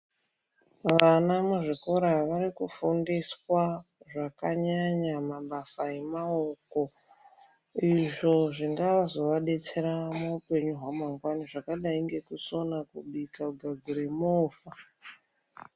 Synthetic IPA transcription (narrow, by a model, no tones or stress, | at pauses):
ʋanamuʐikoɾaʋaɾikufundiswaʐakaɲaɲamaɓasae̞maoko̞ | iʐo̞ʐiŋɡaʋazo̞ʋaɗe̞t͡se̞ɾamoupe̞ɲuɦwamaŋɡwaniʐakaɗaiŋɡe̞kuso̞nakuɓikauɡʱaɡʱuɾemoːfa